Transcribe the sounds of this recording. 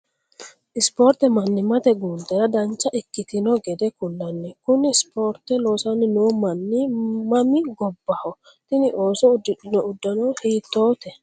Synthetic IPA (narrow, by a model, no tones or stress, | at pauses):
ʔɪspoːɾt̪ːɛmɐnːɪmɐt̪ɛɡuːnd̪ɛɾɐd̪ɐnt͡ʃːɐʔɪkːɪt̪ɪnɔɡɛd̪ɛkʊlːɐnːɛkʊnɪspoːɾt̪ːɛlo̞ːsɐnːɪnuːmɐnːɪmɐmɪɡɔbːɐhɔ | t̪ɪnɪʔo̞ːsɔʊd̪ːɪᶑɪnɔʊd̪ːɐnɔhiːt̪ːo̞ːt̪ɛ